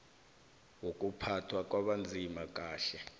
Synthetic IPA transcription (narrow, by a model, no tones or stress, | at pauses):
wok̬ʼupʰatʰwak̬ʼwaɓand͡zʱimak̬ʼaːɬɛ